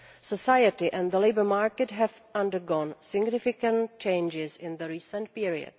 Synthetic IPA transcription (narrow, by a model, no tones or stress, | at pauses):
səsajətɪʔɛ̃nðəleɪbə˞maːɹkɛtɦɛvʔʌ̃ndəɹɡɔnsɪɡnɪfɪkə̃nt̚t͡ʃẽɪnd͡ʒɪzɪ̃nðəɹiːsə̃nt̚piɹiə̰d̥